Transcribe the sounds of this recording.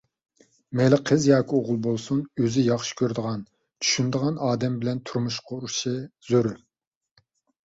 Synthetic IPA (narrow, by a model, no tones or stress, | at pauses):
melɪqʰəzjɑːkʲʰioʁʊlˠbolˠsunøzɪjɑχʃi̥kʲʰøɾd̪əʁɑn | t͡ʃʰy̥ʃynd̪əʁɑnɑːd̪ɛmbɪlɛnt̪ʰuɾmuʃqʰɑuʃiz̥øɾy